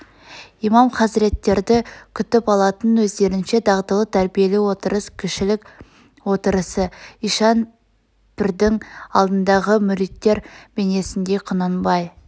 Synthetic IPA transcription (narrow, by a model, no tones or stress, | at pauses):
ijmɑmqʰɑsɪɾe̞t̪ːe̞ɾd̪ɪkʲʰʏt̪ɪpɑlˠɑt̪ənwɵzd̪e̞ɾɪnʃe̞d̪ɑʁd̪əlˠət̪ʰæɾbije̞lɪwo̞t̪əɾəskʲʰʏʃɪlɪkʲ | wo̞t̪əɾəsəijʃɑn | pɪɾd̪ɪŋɑ̰lˠd̪ənd̪ɑʁəmʏɾit̪ːe̞ɾb̥e̞ne̞sɪnd̪e̞qʰʊnənbɑj